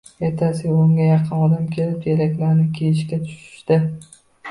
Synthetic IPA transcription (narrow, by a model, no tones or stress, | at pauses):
jet̪ʰasɪoŋɡʲajɑqʰɨnɒd̪amkʲʰe̞lɪpjeɾakʲlaɾnɪkʲʰejɪʃkʲat̪ʰʊ̥ʃɪ̥ʃd̪ɪ